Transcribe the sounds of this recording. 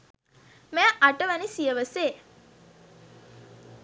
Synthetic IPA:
mæːʔaʈəʋænisijəʋəseː

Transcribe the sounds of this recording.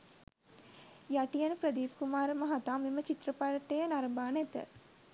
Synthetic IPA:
jaʈijanəpɾəd̪iːpkumaːɾəmaɦat̪aːmemət͡ʃit̪rəpaɾɐʈejənaɾəmbaːnɛt̪ə̰

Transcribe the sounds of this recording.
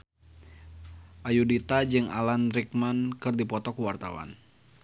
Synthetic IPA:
ʔajudit̪ad͡ʒɨŋa̰lanɾik̚mankɨrdipɔt̪ɔkuwart̪a̰wa̰n

